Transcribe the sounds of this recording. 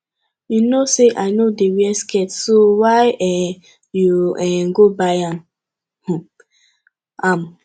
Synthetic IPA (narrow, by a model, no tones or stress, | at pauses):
junoseʔaɪnodewiɛskʰɛtsowaɪɛ | juɛɡobaãm | h | am